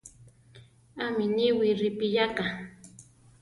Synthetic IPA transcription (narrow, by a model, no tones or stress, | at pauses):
amɪnɪwɪɾɪpɪʎaqɑ